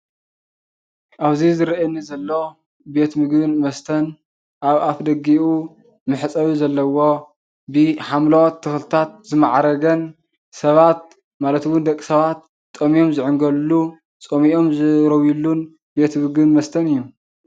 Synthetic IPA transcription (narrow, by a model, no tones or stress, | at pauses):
ʔaβzizɨɾɐʔɐnːizɐlːo̞ | be̞t̪mɨɡbɨnmɐst̪ʰɐn | ʔaβafd̪ɐɡiʔu | mɨħt͡sʼɐwuzɐlːɐwo̞ | bɨħamlot̪ʰːɨxlt̪ʰat̪̚zɨmaʕɾɐɡɐn | sɐβat̪̚ | malɐt̪wʊnd̪ɐkʼːi̥sɐβat̪̚ːʼ | omijo̞mzɨʕɨŋɡɐlːu | t͡sʼomiʔo̞mzɨɾɐwjilːun | be̞t̪mɨɡɨnmɐst̪ʰɐnɨjːu